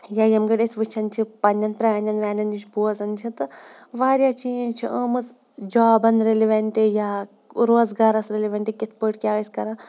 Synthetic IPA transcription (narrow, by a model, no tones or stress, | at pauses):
jaːjɐmɡɐɽesʲʋɨt͡ʃʰɐnt͡ʃʰipɐnʲɐnpɾʲaːnʲɐnʋʲaːnʲɐnd͡ʒit͡ʃʰbuːzɐnt͡ʃʰit̪ɨʋaːɾjaːt͡ʃiːnd͡ʒt͡ʃʰiʔəmɨs | d͡ʒaːbɐnɾeliʋʲɐɳʈeja | ɾoːzɡaːɾɐsɾelʲiʋʲɐɳʈekʲit̪ʰpəʈkʲaːɐsʲkɐɾaː